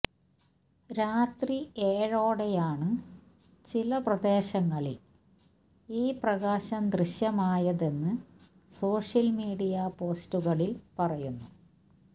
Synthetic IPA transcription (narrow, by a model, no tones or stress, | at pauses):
ɾaːt̪rieːɻoːɽejaːɳɨ | t͡ɕilɐprɐd̪e̞ːɕɐŋːɐɭil | iːprɐɣaːɕɐmd̪riɕjɐmaːjɐðe̞nːɨ | so̞ːʂjɐlmiːɽijɐpo̞ːstuɣɐɭilpɐrɐjunːu